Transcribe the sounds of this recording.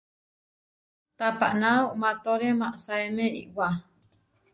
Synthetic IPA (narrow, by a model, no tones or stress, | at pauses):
t̪apa̰ʔnauʔmãt̪oɾemãʔsaemẽḭʔwa